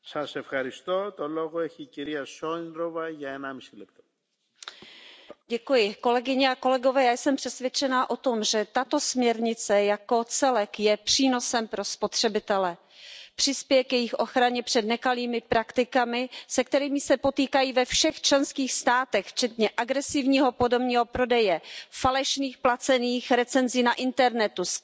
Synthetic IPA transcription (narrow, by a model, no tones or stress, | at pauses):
sɐsefxɐɾist̪o̞t̪o̞lo̞ɣoɛçiciɾiɐsoinɾovɐʝaɛnamisilɛp̚t̪o̥ | ɟɛkujɪko̞lɛɡɪɲɛako̞lɛɡo̞vɛːjaːjsɛmpr̥ɛsvjɛt͡ʃɛnaʔo̞t̪o̞mʒɛt̪at̪o̞smɲɛɾɲɪt͡sɛjako̞t͡sɛlɛkjɛpr̥iːno̞sɛmpɾo̞spo̞t̪r̝̥ɛbɪt̪ɛlɛ | pr̝̥ɪspjɛjɛkjɛjɪxʔo̞xɾaɲɛpr̝̥ɛdnɛkaliːmɪpɾakt̪ɪkamɪsɛk̚t̪ɛɾiːmɪsɛpo̞t̪iːkajiːvɛfʃɛxt͡ʃlɛnskiːxst̪aːt̪ɛxft͡ʃɛt̪ɲɛʔaɡɾɛsɪvɲiːɦo̞po̞dobɲiːɦo̞pɾo̞dɛjɛfalɛʃniːxplat͡sɛniːxɾɛt͡sɛnziːnaʔɪnt̪ɛɾnɛt̪us